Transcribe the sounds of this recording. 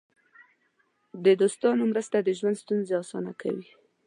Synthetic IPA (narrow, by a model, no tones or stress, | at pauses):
d̪əd̪ost̪ɑnomɾəst̪ad̪əʒwand̪st̪unzeɑsɑ̰nakʰa̰wi